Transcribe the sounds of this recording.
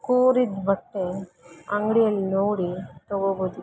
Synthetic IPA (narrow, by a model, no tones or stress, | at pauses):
kuːɾid̪bɐʈːe | ɐŋɡɽijɐlːinoːɽit̪ɐɡoboːd̪u